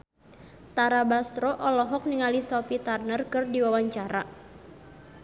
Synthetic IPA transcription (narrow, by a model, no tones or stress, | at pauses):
t̪aɾabast̪ɾɔʔɔlɔɦɔk̚niŋalisɔpit̪arnərkɨrdiwawaɲt͡ʃaɾa